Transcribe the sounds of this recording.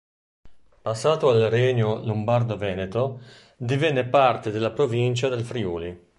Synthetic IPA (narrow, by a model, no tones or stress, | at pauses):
pasːaːt̪oalrɛɲolombard̪ovɛːnet̪o | d̪ivɛnːepart̪ed̪elːapɾovint͡ʃad̪elfɾiuːli